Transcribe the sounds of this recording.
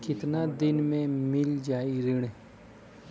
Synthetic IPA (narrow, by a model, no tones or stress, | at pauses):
kɪt̪nad̪ɪnmẽmɪld͡ʒaːiɾɪɽ